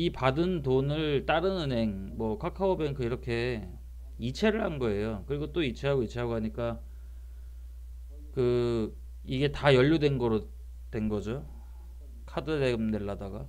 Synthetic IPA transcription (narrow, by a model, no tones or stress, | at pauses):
ipadɯntonɯɭt͈aɾɯnɯnɦe̞ŋmwʌkʰakʰaobeŋkʰɯiɾʌkʰe̞ | it͡ɕʰe̞ɾɯɭhanɡʌe̞jokɯɾiɡot͈oit͡ɕʰe̞ɦaɡoit͡ɕʰe̞ɦaɡoɦaɲik͈a | kɯ | iɡe̞tajʌʎːudwe̞nɡʌɾo | twe̞nɡʌd͡ʑo | kʰadɯdeɡɯmne̞ɭːadaɡa